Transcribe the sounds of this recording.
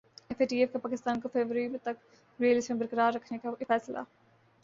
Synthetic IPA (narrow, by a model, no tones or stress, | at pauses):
ɛfeːʈiːefkapaːkɪst̪aːnkofeːʋɾəɾimẽt̪ɐk | ɾeːlɪsmẽbəɾkəɾaːɾːɐkʰnekafɛːsla̰ː